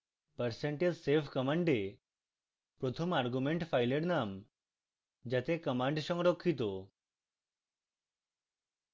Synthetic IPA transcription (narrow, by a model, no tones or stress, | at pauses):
pəɾseɳʈelsepʰkəmaɳɖe | pɾot̪ʰɔmaɾɡumeɳʈpʰajleɽnam | d͡ʒat̪ekəmaɳɖsɔŋɾokʰːit̪̬o